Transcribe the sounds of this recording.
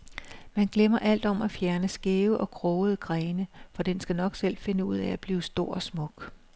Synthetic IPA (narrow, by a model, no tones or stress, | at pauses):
mænɡ̥lemɐʔæl̰d̥ɒ̽mæfjæɐnəsɡ̥e̝ːʊʔɒ̽kʰʁɔːð̩ˠəɡ̥ʁɛːnəfɒ̽d̥ensɡ̥ænɒ̽ɡ̥sel̰fe̝nəuð̞̰ˠææb̥liːʊsd̥o̝ɐ̰ɒ̽smɔ̽ɡ̥